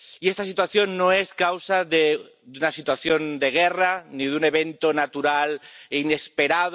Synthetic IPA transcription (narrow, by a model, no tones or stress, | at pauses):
iest̪asit̪waθjo̞nːoeskawsaðe | d̪unasit̪waθjo̞nd̪e̞ɣ̞eraniðune̞β̞ent̪onat̪uɾaline̞spe̞ɾað